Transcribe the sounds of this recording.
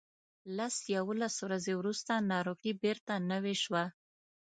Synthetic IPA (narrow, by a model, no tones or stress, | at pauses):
lasjawolaswɾazewɾust̪anɑɾoɣibeɾt̪anəweʃwa